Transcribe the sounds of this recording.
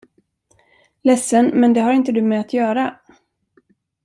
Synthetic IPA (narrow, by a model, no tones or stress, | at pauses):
lɛsːənmɛnd̪ɛɦaɾɪnt̪əd̪ɵmɛat̪ʰjœːɾa